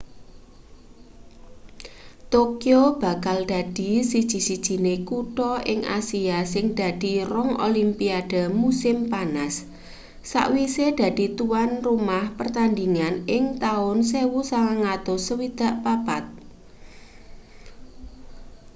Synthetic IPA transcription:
t̪okiob̥a̤kald̪̥a̤d̪̥i̤sid̥ʒ̥i̤sid̥ʒ̥i̤nekuʈɔʔɪŋʔa̰siasɪŋd̪̥a̤d̪̥i̤rɔŋʔo̰limpiad̥a̤musɪmpanasː | a̰ʔwised̪̥a̤d̪̥i̤t̪uwanrumahpərt̪and̪iŋanɪŋt̪aʊnsewusaŋaŋad̪̥osəwid̪̥a̤ʔpapat̪̚

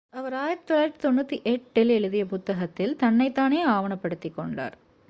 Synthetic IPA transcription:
ɐʋɐɾaːjɪɐɾt̪ɯ̥t̪ːoːlajɪɾt̪ːi̥t̪ɔnːɯt̪ːiʔɛʈːɪlɛɻɯðɪjɐpʊt̪ːɐɣɐt̪ːɪlt̪ɐnːɐɪt̪ːaːneːaːʋɐɳɐpːɐɽɯt̪ːɪkːɔɳɖa̰ːɾ

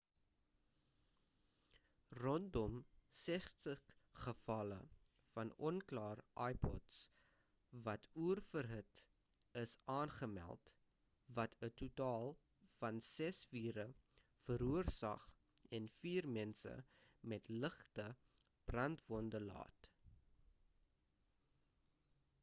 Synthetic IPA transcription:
rɔndɔmsɛχtəχəfɐlə | fɐnɔnklɑːrʔɐjpʰɔ̰ts | vɐtʰuərfərɦət | əsɑːnχəmæ̰lˠt | vɐtʰətutɑːlˠ | fɐnsɛsviːɾə | fəɾuərsɐ̰χ | ɛnfiːrmɛnsə̰mɛtləχtə | b̥rɐntvɔndəlɑ̰ːt

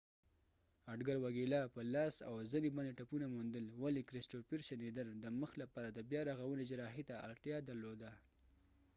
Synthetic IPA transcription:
aɖɡaɾwaɡilapəlɑsa̰wzənibaneʈapunamund̪əlwalikɾɪsʈopiɾʃanid̪əɾd̪əməxlapɑɾad̪əbjɑɾaɣawəned͡ʒaɾɑɦit̪aa̰lʈjɑd̪aɾlod̪a

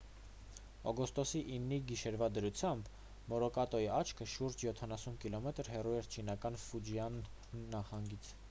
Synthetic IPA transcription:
ɔɡɔst̪ɔsiʔinːiɡiʃɛɾvɑd̪əɾut͡sʰjɑmb | mɔɾɔkɑt̪ɔjiɑt͡ʃʰkʰəʃuɾd͡ʒjɔt̪ʰɑnɑsunkilɔmɛt̪əɾɦɛruɛɾt͡ʃʰinɑkɑnfud͡ʒijɑnː | ɑχɑŋɡit͡sʰ

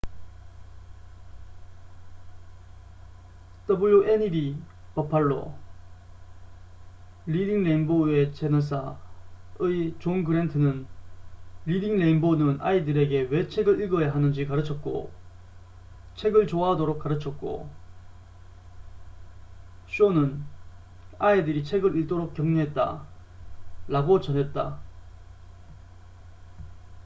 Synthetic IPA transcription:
tʌbɯɭːoʔenidi | papʰaɭːo̰ | lid̪iŋleinboet͡ɕenʌs̬ʰa | ɯit͡ɕonɡɯɾentʰɯnɯn | lidiŋle̞inbonɯnʔaidɯɾe̞ɡe̞we̞t͡ɕʰe̞ɡɯɭiɭɡʌjaɦanɯnd͡ʑikaɾɯt͡ɕʰʌt̚k͈o̰ | t͡ɕʰe̞ɡɯɭt͡ɕoaɦadoɾok̚k͈aɾɯt͡ɕʰʌt̚k͈o̰ | ɕ͈ʰionɯn | aidɯɾit͡ɕʰe̞ɡɯɾiɭt͈oɾok̚k͈jʌŋɲɯɦe̞t̚t͈a̰ | ɾaɡot͡ɕʌnɦe̞t̚t͈a̰

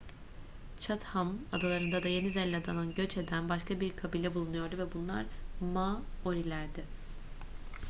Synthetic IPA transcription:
t͡ʃʰat̪hamad̪alˠaɾɯnd̪ad̪aje̞nizɛlʲːad̪anˠanɟø̞t͡ʃe̞d̪ænbaʃkʰabiɾkʰabilʲɛbulˠunujo̞ɾd̪uvɛbunlˠa̰ɾmaoɾilʲæɾd̪ɪ

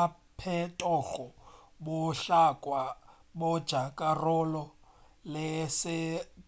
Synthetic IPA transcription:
pʰɛtʼɔɣɔ | bʊɬakʼwa | bʊd̥ʒ̥ʱakʼarɔlɔ | lɪsɪ

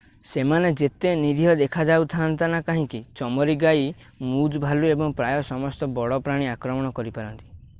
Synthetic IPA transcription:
semaned͡ʒet̪eniɾʱijɔd̪ekʰad͡ʒawt̪ʰant̪anakaɦĩkit͡ʃɔmɔɾiɡaji | mud͡ʒbʱaluebɔŋpɾajɔsɔmɔst̪ɔbɔɽɔpɾaɽ̃iakɾɔmɔɽ̃ɔkɔɾipaɾɔnt̪i̥

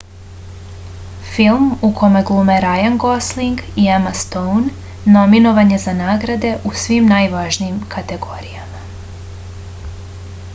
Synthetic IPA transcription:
filˠmukʰo̞meɡlˠumeɾajaŋɡo̞sliŋɡiamast̪ownː | o̞mino̞ʋaɲe̞zanaːɡɾad̪e̞ʔusʋimnajʋaʒnijimkʰat̪e̞ɡo̞ɾijama

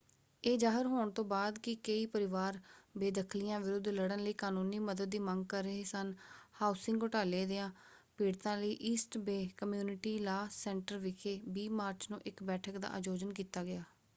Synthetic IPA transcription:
eːd͡ʒaːɦəɾɦoːɳt̪õːbaːd̪kɪkəiːpəɾɪʋaːɾbeːd̪əkʰlɪjãːʋɪɾʊd̪ʱləɽənləiːkaːnũːniːməd̪əd̪ːiːməŋɡ̚kəɾːəɦeːsənhaːʊsɪ̃ŋɡʊʈaːleːd̪eːãː | piːɽt̪ãːləiːʔiːsʈbeːkəmjuːnɪʈiːlaːsɛ̃ːɳʈəɾʋɪkʰeːbiːmaːɾt͡ʃnũːʔɪkbɛːʈʰəkd̪a̰ːʔəd͡ʒoːd͡ʒənkiːt̪aːɡɪaː

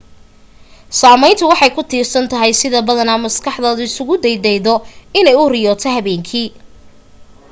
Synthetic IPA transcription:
saːmɛjnt̪ʰʊwɑħɑjkʰʊt̪ʰiːrsɐnt̪ʰɐɦɛjsɪðɐbɐðɐnɐːmɐskʰɑħd̪ɔːðʊɪsʊɣʊd̪ɛjd̪ɛjðɔɪnɛjʊrɪjɔːt̪ʰɛhɐβɛːŋkʰiː

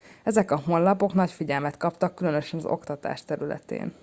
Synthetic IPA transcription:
ɛzɛkɒɦo̞nlɒpo̞knɒcfiɟɛlmɛt̪kɒpt̪ɒkːylønø̞ʃɛnɒzo̞̰kt̪ɒt̪a̰ːʃt̪ɛɾylɛ̰t̪ḛːn

